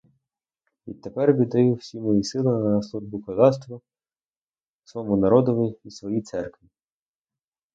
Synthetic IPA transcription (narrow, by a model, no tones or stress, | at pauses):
ʋʲḭt̪ːepɛrʋʲid̪ɐjuwsʲimɔjisɪlˠɪɐslˠuʒbʊkɔd̪ɑst̪ʋɔ | sʋɔmunɐɾɔd̪ɔʋɪjisʋɔjit̪sɛrkʋʲi